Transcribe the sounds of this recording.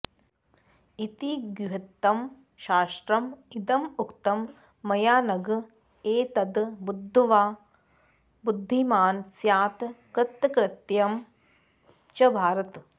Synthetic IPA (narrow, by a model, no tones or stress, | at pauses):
it̪iɡjuɦɐt̪ːɐm | ʃaːʂʈɾɐmid̪ɐmukt̪ɐmː | ɐjaːnɐɡ | eːt̪ɐd̪bud̪ʱːuʋaː | bud̪ʱːimaːnsjaːt̪kɾɪt̪ːkɾɪt̪jɐm | t͡ʃɐbʱaːɾɐt̪